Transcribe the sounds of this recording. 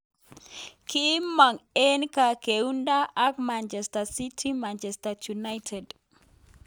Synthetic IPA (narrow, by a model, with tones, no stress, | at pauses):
ki˦ma˨ŋe˦nka˨keunda˦ʔa˦k̚mant͡ʃɛ˨stasi˦tʰi˦mant͡ʃɛ˨stat͡ʃuna˦jtʰɛd